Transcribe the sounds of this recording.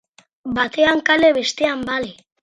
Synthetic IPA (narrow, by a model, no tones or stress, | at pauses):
bat̪eaŋkaleβe̞st̪eambale